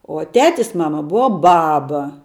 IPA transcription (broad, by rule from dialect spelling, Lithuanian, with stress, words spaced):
oː ˈtʲæːtʲɪs ˈmɑːmɐ ˈbʊʋɐ ˈbɑːbɐ